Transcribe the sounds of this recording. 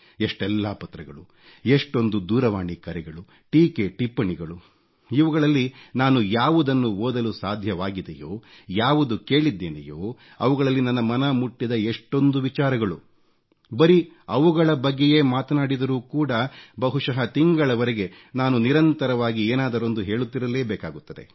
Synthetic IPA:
eʂʈɛlːaːpɐt̪ɾɐɡɐɭu | eʂʈo̞nd̪ud̪uːɾɐʋaːɳikɐɾɛɡɐɭu | ʈiːkeʈipːɐɳiɡɐɭu | iʋɐɡɐɭɐlːinaːnujaːʋud̪ɐnːuoːd̪ɐlusaːd̪ʱjɐʋaːɡid̪ḛjo̰ː | jaːʋud̪uke̞ːɭid̪ːe̞ːnḛjoː | ɐʋuɡɐɭɐlːinɐnːɐmɐnɐmuʈːid̪ɐeʂʈo̞nd̪uʋit͡ʃaːɾɐɡɐɭu | bɐɾi | ɐʋuɡɐɭɐbɐɡːe̞jeːmaːt̪ɐnaːɽid̪ɐɾuːkuːɽɐbɐɦuʂɐɦɐt̪iŋɡɐɭɐʋɐɾɛɡe̞ | naːnuniɾɐnt̪ɐɾɐʋaːɡieːnaːd̪ɐɾond̪uɦe̞ːɭut̪ːiɾɐleːbɛːkaːɡut̪ːɐd̪e̞̰

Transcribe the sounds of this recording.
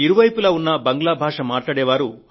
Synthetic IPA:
iɾuʋɐjpulɐːunːɐbɐŋɡlaːbʱaːʂɐmaːʈlaːɽɛːʋaːɾu

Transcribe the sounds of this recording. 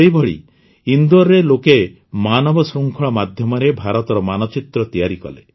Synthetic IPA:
eibɔɭḭ | ind̪uɔɾːeloke | manɔbɔsɾuŋkʰɔɭ̃ɔmad̪ʱjɔmɔɾebʱaɾɔt̪ɔɾɔmanɔt͡ʃit̪ɾɔt̪ijaɾikɔ̰lḛ

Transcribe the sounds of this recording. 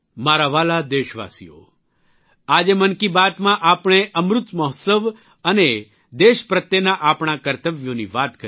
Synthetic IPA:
maɾaʋalad̪eʃʋa̰sḭjo̰ | ad͡ʒemənkibat̪mãʔapɳ̃eʔəmɾʊt̪mɔɦt̪səʋ | əne | d̪eʃpɾət̪jenaʔapɳ̃akəɾt̪əʋjoniʋat̪kə

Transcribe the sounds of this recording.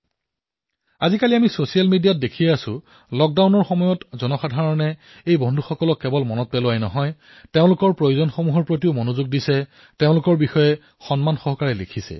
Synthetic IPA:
azikaliamisosijalmidijat̚dekʰiɛasʊ̰ | lɔk̚dawnɔɹxɔmɔjɔtzɔnɔxadʱaɹɔnɛ | ejbɔndʱuxɔkɔlɔkːɛbɔlmɔnɔt̚pɛlʊwajnɔɦɔj | teʊ̃lʊkɔɹpɹojuzɔnxomuɦɔɹpɹotiʊmonuzuɡ̚disɛ | teʊ̃lʊkɔɹbixɔjɛ | xɔnmanxɔɦɔkaɹɛlḛkʰisɛ̰

